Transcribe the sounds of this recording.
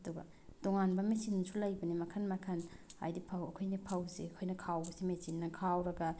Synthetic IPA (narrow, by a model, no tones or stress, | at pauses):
ɐduɡɐ̰ | d̥oŋanbɐmesinːɐsulɐjbɐnimɐkʰɐnmɐkʰɐna̰jdipʰawɐkʰojnɐpʰawzḭɐkʰojnɐkʰawbɐsimesinːɐkʰawɾɐɡɐ